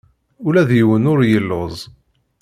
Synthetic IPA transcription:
ulæðjəwənʊɾjəlːozˤ

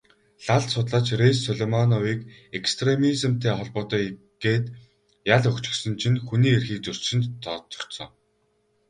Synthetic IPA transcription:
ɮaɮsʊt̪ɮaːt͡ɕresːɔɮemɔnɔwiːk | ekst̪ʰremizɘ̆m̥t̪ʰeːχɔɮpʊːt̪ɔi | ɡ̥eːt̪ | jaɮɵkt͡ɕɪ̥̆xsɞ̆nt͡ɕʰinxuniːerxiːk̚t͡sɵr̥t͡ɕʃɪ̆nt̪ʰːɔt͡s̪ɞ̥̆t̪sɞ̰̆ŋ

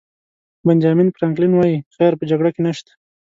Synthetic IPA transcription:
band͡ʒɑminpɾaŋklinwɑjixaɾpəd͡ʒaɡɽakenaʃt̪ḁ

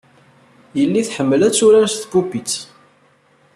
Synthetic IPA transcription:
jəlːiθħəmːəlæt͡sːuɾæsθbupit͡sː

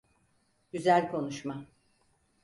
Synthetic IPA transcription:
ɟyzælʲkʰo̞nuʃma

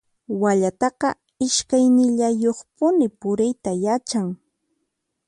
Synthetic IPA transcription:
waʎat̪ɑqɑ | ɪʃkajnɪʎajoχpʊnɪpʊɾɪjt̪ajat͡ʃaŋ

